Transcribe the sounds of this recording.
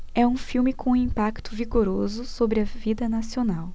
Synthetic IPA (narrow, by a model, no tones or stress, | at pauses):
ɛũfiwmɪkʰõĩmpakt̪ʊviɡoɾozʊsobɾɪɐvid̪ɐnasionaw